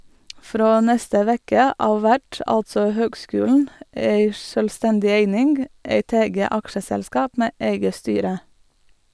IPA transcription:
ˈfɾoː ˈnɛstə ˈʋɛkə ˈɑːʋ ˈʋæʈ ˈɑltsɔ ˈhøːɡˌskʉːlɳ̩ ˈæɪ ˈʃøːlˌstɛndɪ ˈeɪnɪnɡ ˈæɪt ˈɛɡə ˈɑkʃəsɛlˌskɑːp ˈmeː ˈæɪɡə ˈstyːɾə

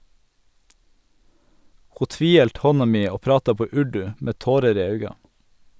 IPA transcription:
ˈhuː ˈtʋiːˌhɛlt ˈhɔnɑ ˈmiː ˈoː ˈpɾɑːtɑ ˈpoː ˈʉɖʉ ˈmeː ˈtoːɾəɾ ˈiː ˈɑʉɡɑ

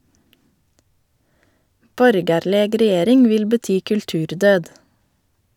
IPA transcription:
ˈbɔɾɡɑɾləɡ ɾɛˈjeːɾɪŋ ˈʋɪl bəˈtyː kʉlˈtʉːɾˌdøːd

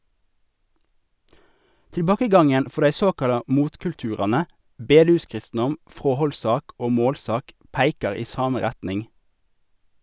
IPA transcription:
tɪlˈbɑːkəˌɡɑŋən ˈfɔʁ ˈdæɪ ˈsoːkɑlɑ ˈmuːtkʉlˌtʉːʁɑnə ˈbeːˌdʉːˌskʁɪstn̩ɔm ˈfʁoːhɔlˌsɑːk ˈoː ˈmoːlˌsɑːk ˈpæɪkɑʁ ˈiː ˈsɑːmə ˈʁɛtnɪŋ

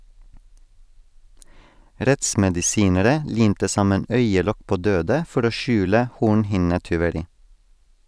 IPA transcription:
ˈɾɛtsmɛdɪˌsiːnəɾə ˈliːmtə ˈsɑmən ˈœʏəˌlɔk ˈpoː ˈdøːdə ˈfɔɾ ˈoː ˈʃʉːlə ˈhuːɳhɪnətʏʋəˌɾiː

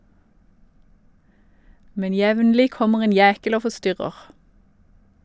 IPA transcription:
ˈmɛn ˈjɛʋnlɪ ˈkɔməʁ ˈeːn ˈjæːkəl ˈoː fɔˈstʏʁəʁ

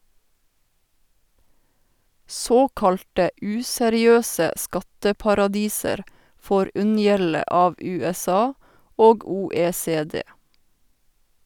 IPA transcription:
ˈsoːkɑlʈə ˈʉːsɛɾɪˌøːsə ˈskɑtəpɑɾɑˌdiːsəɾ ˈfoːɾ ˈʉnjɛlə ˈɑːʋ ˌʉːɛˈsɑː ˈoːɡ ˌuːeːseːˈdeː

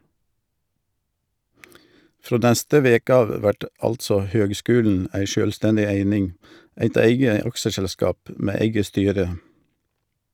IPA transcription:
ˈfɾoː ˈnæstə ˈʋeːkə ˈɑːʋ ˈʋæʈ ˈɑltsɔ ˈhøːɡˌskʉːln̩ ˈʔæɪ ˈʃøːlˌstɛndɪ ˈæɪnɪŋ ˈæɪt ˈæɪɡə ˈɑkʃəsɛlˌskɑːp ˈmeː ˈæɪɡə ˈstyːɾə

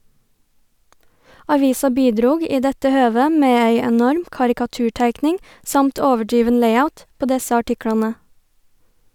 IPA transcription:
ɑˈʋiːsɑ ˈbiːˌdɾuːɡ ˈiː ˈdɛtə ˈhøːʋə ˈmeː ˈæɪ ɛˈnɔɾm kɑɾɪkɑˈtʉːˌʈæɪknɪŋ ˈsɑmt ˈoːʋəˌɖɾiːʋən ˈlæɪaʊt ˈpoː ˈdɛsə ɑˈʈɪklɑnə

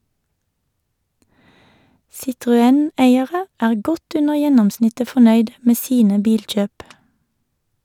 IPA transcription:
sɪtʁʊˈɛn ˈeɪəʁə ˈæːʁ ˈɡɔt ˈʉnəʁ ˈjɛnɔmˌsnɪtə fɔˈnœʏd ˈmeː ˈsiːnə ˈbiːlˌc͡çøːp

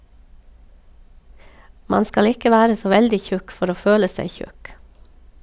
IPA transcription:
ˈmɑn ˈskɑl ˈɪkə ˈʋæːɾə ˈsoː ˈʋɛldɪ ˈçʉk ˈfɔɾ ˈoː ˈføːlə ˈsæɪ ˈçʉk

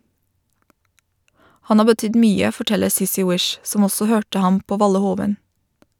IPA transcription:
ˈhɑn ˈɑː bəˈtʏd ˈmyːə fɔˈʈɛləɾ ˈsɪsɪ ˈwɪʃ ˈsɔm ˈɔsɔ ˈhøːʈə ˈhɑm ˈpoː ˈʋɑlə ˈhoːʋən

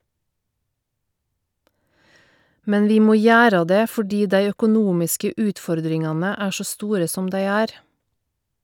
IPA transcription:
ˈmɛn ˈʋiː ˈmoː ˈjæːɾə ˈdeː fɔˈɖiː ˈdæɪ œkʊˈnuːmɪskə ˈʉːtˌfɔɾdɾɪŋɑnə ˈæː ˈʃoː ˈstuːɾə ˈsɔm ˈdæɪ ˈæːɾ

